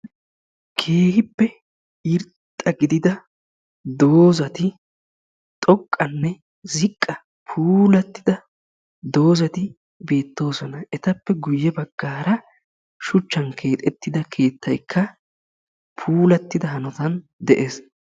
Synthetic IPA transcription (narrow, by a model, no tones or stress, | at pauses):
kʰe̞ːhɪpːɛ | ɪɾtt̪ʼːɐɡɪd̪ɪd̪ɐ | d̪oːzɐt̪ɪ | t̪ʼɔkʼːɐnːɛ | zɪkʼːɐ | pʰuːlɐt̪ːɪd̪ɐ | d̪o̞ːzɐt̪ɪ | be̞ːt̪ːo̞ːsɔnɐʔɛt̪ɐpːɛɡʊjːɛbɐɡːaːɾɐ | ʃʊt͡ʃːɐnkʰe̞ːt̪ʼɛt̪ːɪd̪ɐkʰe̞ːt̪ːɐjkʰːɐ | pʰuːlɐt̪ːɪd̪ɐɦɐnɔt̪ɐn | d̪ɛʔeːs